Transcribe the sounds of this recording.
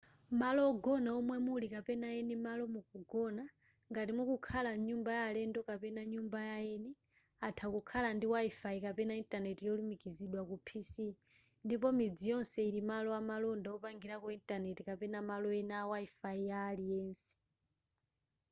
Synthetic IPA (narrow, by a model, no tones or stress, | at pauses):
malɔːɡɔnaɔmwɛmulikapɛnaɛnɛmalɔmukuɡɔna | ŋɡatimukukʰalaɲumbajalɛndɔkapɛnaɲumbajaɛnɛ | atʰakukʰalandiwaifaikapɛnaintʼanɛtijɔlumikiziɗwakupʰisi | ndip̬ɔmid͡zijɔnsɛiɾimalɔamalɔndaɔpaŋɡiɾakuintʼanɛtikapɛnamalɔɛnawaifaijaːlijɛːnsɛ̥